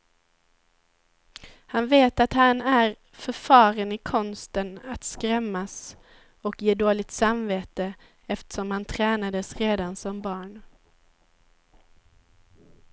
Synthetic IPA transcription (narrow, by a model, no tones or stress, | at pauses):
hanveːt̪at̪hanæɾ | fœɾfɑːɾənɪkʰɔnst̪ənat̪skɾɛmːas | ɔkjeːd̪oːɭɪɡ̚t̪samveːt̪ə | ɛft̪ə̥ʂɔmhant̪ʰɾɛːnad̪əsɾeːd̪ansɔmbɑːɳ